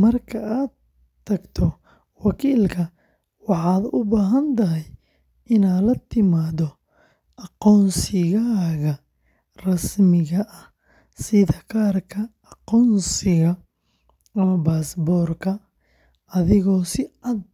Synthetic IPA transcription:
mɐrkʰɐʔaːd̪ | t̪ʰːɐɡt̪ʰɔ | wɑkʰiːlkʰɐ | wɑħɑːd̪ʊbaːɦɐnt̪ʰɐɦɛj | ɪnaːlɐt̪ʰɪmaːd̪ɔ | ʔɑqɔːnsɪɣaːɣɐ | rɐsmɪɣɐʔɐh | sɪðɐkʰaːrkʰɐːqɔːnsɪɣɐ | ɐmɐbaːsbɔːrkʰɐ | ɐðɪɣɔːsɪɑd̪̚

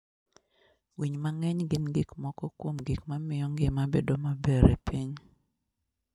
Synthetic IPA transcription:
wiɲmaŋɛɲɡɪnɡikmɔkɔkwomɡikmamɪjɔŋɡɪmabedomabeɾḛpiɲ

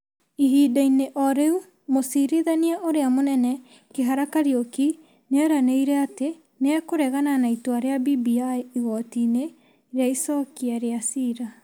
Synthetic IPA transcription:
iɦiːdaineʔɔɾeu | mosiɾeðaniaʔoɾeamonɛnɛ | keɦaɾakaɾioki | neɛɾaneiɾɛate | nɛkoɾɛɣananaitoaɾeabibiaiiɣɔtine | ɾeaisɔkiaɾeasiːɾa

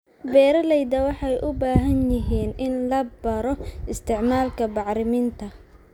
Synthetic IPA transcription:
bɛːɾɐlɛjd̪ɐwɑħɑjʔʊbaːɦɐnjɪɦiːnʔɪnlɐbɐɾɔɪst̪ʰɪʕmaːlkʰɐbɑʕɾɪmiːnt̪ʰɐ

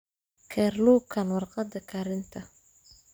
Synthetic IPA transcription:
kʰɛrluːkʰɐnwɑrqɑd̪ɐkʰɐɾɪnt̪ʰɐ

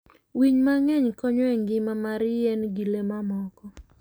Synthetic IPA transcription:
wiɲmaŋɛɲkɔɲwɛŋɡɪmamaɾjɛnɡilemamɔkɔ

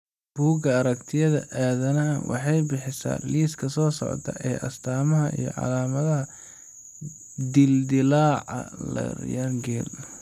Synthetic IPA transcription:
b̥uːɡɐɐɾɐkt̪ʰɪjɐðɐ̰ʔaːðɐnɐwʔɑ̰ħɑjbɪħɪsa̰ːliːskʰɐsɔːsɔ̰ʕ̰t̪ʰɐ̰ʔɛːʔɐst̪ʰaːmɐɦɐʔḭjɞ̰ʕɑ̰laːmɐðɐɦɐ | d̪ɪld̪ɪlaːʕɑ̰lɐ̰rjɐŋɡɛːl

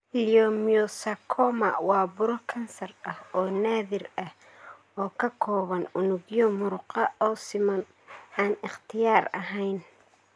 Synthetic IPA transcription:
liɔmiɔsɐkʰɔːmɐwɑːbʊɾɔkʰɐnsɐrɐhɔːnaːðɪrɐh | ɔːkʰɐkʰɔːβɐnʊnʊɣjɔmʊɾʊqɑɔːsɪmɐn | aːnɪχt̪ʰɪjaːrɐ̰ɦɛjn

